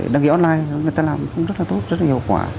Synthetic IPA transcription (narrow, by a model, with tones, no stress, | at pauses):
ɗa˧ŋkḭ˧˦ʔɔ˧nlaː˧jŋ˨˩jt̪aː˧laː˨˩m˨xə˧wŋ͡mzə˦˥t̚laː˨˩t̪o˦˥t̚zə˦˥t̚laː˨i˧ə˩kwa̰ː˧˩